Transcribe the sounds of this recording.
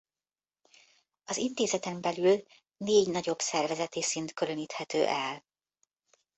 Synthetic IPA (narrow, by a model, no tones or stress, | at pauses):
ɒzint̪eːzɛt̪ɛmbɛlyl | neːɟnɒɟo̞bsɛrvɛzɛt̪eːsint̪køløniːt̪hɛt̪øːʔɛl